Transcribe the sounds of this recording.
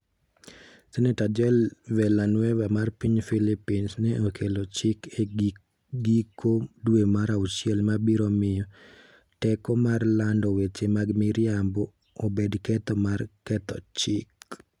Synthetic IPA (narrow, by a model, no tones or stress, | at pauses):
sɛnɛtad͡ʒɛlwɛlanwɛwamarpiɲfilipinsnɛʔokʰelot͡ʃɪke | ɡikʰodwemaɾauʃjɛlmabiɾɔmɪjɔ | tɛkɔmarlandɔwet͡ʃemaɡmiɾjambɔː | bedkɛt̪ɔmarkɛt̪ɔ̰t͡ʃɪk